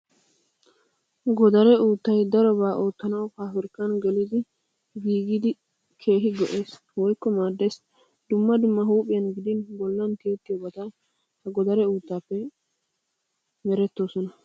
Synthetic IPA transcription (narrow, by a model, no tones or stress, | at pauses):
ɡɔd̪ɐɾɛuːt̪ːɐjd̪ɐɾɔbaːʔoːt̪ːɐnɐwkaːfɪɾkːɐnɡɛlɪd̪ɪ | ɡiːɡɪd̪ɪ | kʰe̞ːɦɪɡɔʔe̞ːs | wɔjkːɔmaːd̪ːes | d̪ʊmːɐd̪ʊmːɐɦuːpʼːɪjɐnɡɪd̪ɪnbɔlːɐnkeːt̪ːɪjɔbɐt̪ɐ | hɐɡɔd̪ɐɾɛuːt̪ːaːpːɛ | mɛɾɛt̪ːoːsɔnɐ